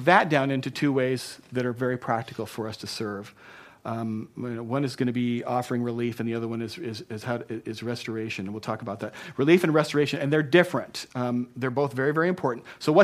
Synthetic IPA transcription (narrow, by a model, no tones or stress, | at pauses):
ðɨt̚d̥ãʊ̃nɪ̃ntʉtʰʉweɪzðɨɾə˞vɛɹipʰɹ̥æk̚tɨkl̩ˠfə˞ʌstʰɨsɜ˞v̥ | oʊwʌ̃nɨzɡʌñɨbiɔfə˞ɪ̃ŋɹɨlifɨ̃nðiʌðə˞wʌ̃nɨzɪzɪz̥haʊɪzɹɛstə˞eɪʃɨ̃nɨ̃nwilˠtʰɔkəbaʊt̪̚ðæt̚ɹɨlifɨ̃nɹɛstə˞eɪʃɨ̃nɨ̃nðə˞dɪfɹɨ̃ntðə˞boʊθvɛɹivɛɹiɨ̃mpʰɔɹʔn̩tsoʊwʌ